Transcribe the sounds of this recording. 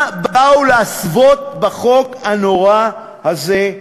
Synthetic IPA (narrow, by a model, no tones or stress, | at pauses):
bauleasvot̪̚baχo̞khanoʁa | haze